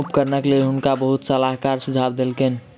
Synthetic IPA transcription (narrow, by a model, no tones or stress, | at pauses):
upkəɾnəklelɦunkabəɦut̪səlaɦkaɾsud͡ʒʱabd̪elken